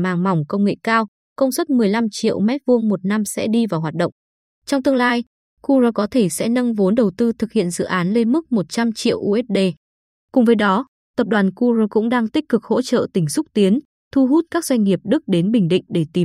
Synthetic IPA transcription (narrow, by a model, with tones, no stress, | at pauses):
maː˨˩ŋma˨˩wŋ͡mkə˧wŋ͡mŋḛ˧˨kaː˧w | kə˧wŋ͡mswə˦˥t̚mɨ˨˩əjla˧mt͡ɕḭ˧˨əwmɛ˦˥t̚vu˧əŋmo˨˩t̚na˧msɛ̰˧˥ɗi˧vaː˨˩wɦwaː˨˩t̚ɗə̰˧˨ŋ͡m | t͡ɕɔ˧wŋ͡mt̪ɨ˧əŋlaː˧j | ku˧ɾə˧kɔ˨˦t̪ʰe˧˩sɛ̰˧˥nə˧ŋvo˨˦nɗə˨˩wt̪ɨ˧t̪ʰɨ˨˩k̚hḭ˧˨ənzɨ̰˧˨ʔaː˨˦nle˧nmɨ˦˥k̚mo˨˩t̚t͡ɕa˧mt͡ɕḭ˧˨əwʔu˧ʔɛ˦˥t̚ɗe˧ | kʊ˨˩ŋ͡mvəː˨˦jɗɔ˨˦ | t̪ə˨˩p̚ɗwaː˨˩nku˧ɾə˧kʊ̰˧˥ŋ͡mɗaː˧ŋt̪ï˦˥k̟̚kɨ˨˩k̚ho̰˧˥t͡ɕə̰ː˧˨t̪ï˧˩ŋ̟sʊ˦˥k͡p̚t̪i˨˦ən | t̪ʰu˧ɦu˦˥t̚kaː˦˥k̚zwa˧jŋ̟ŋi˨˩əp̚ɗɨ˦˥k̚ɗe˨˦nɓï˨˩ŋ̟ɗḭ̈˧˨ŋ̟ɗe˧˩t̪i˨˩m